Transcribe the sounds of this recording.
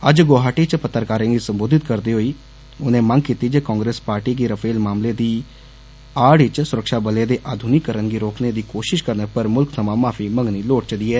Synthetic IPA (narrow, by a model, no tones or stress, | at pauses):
əd͡ʒɡoːɦaːʈiːt͡ʃpət̪ːəɾkaːɾẽːɡiːsəmboːd̪ɪt̪kəɾd̪iːɦoiː | ʊnẽːmə̃ŋɡkiːt̪iːd͡ʒeːkɔ̃ːŋɡɾeːspaːɾʈiːkiːɾəpʰeːlmaːmleːd̪iː | aːɽɪt͡ʃsʊɾəkʃaːbəleːd̪eːʔaːd̪ʱunikːəɾənɡiːɾoːkneːd̪iːkoːʃɪʃkəɾnəpəɾmʊlksʰəmãːmaːpʰiːməŋɡniːloːʈ̚t͡ʃəd̪iːɛː